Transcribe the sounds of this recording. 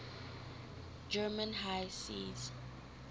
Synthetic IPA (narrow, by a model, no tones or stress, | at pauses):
d͡ʒɛmə̃nɦajsḭz